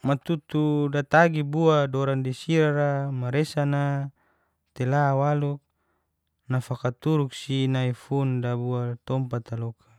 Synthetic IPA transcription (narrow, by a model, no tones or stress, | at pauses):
mat̪ut̪udat̪aɡibuadɔɾandisiɾaɾamaɾesana | t̪elawaluk̚ | nafakat̪uɾuk̚sinaifundabuat̪ɔmpat̪alokʰḁ